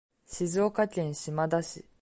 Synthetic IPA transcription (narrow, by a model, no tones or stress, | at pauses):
ɕizo̞ːkakʲẽɰ̃ɕimad̪aɕḭ